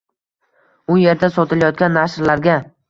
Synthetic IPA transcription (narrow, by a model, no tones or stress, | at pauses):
ʊje̞ɾd̪asɒt̪ʰɪljɒt̪̚kʲanːaʃɾlaɾɡʲa